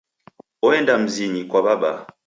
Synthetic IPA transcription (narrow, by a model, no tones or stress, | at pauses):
ɔɛndam̩ziɲikwaɓaɓa̰